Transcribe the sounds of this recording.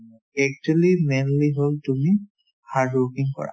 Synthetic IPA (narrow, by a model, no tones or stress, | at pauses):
ɛk̚telimɛnliɦoltumi | hatokiŋkɔ̰ɹa̰